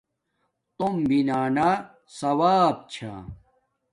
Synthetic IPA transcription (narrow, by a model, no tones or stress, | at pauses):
t̪ombinaːna | sɐwaːb̚t͡ɕʰa̰